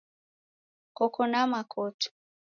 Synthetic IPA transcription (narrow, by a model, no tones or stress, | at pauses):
kɔkɔnamakʰɔtu̥